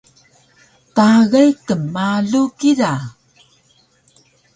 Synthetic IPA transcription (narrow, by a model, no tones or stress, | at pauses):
taɣajkəmːaɮukiɾa